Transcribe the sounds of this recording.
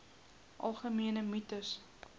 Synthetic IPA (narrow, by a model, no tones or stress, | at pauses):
ʔɐ̰lˠχəmiənəmytəs